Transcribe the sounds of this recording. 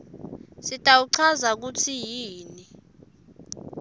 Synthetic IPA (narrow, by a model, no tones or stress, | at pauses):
sitʼawuǀʰazak̬utʰijiːni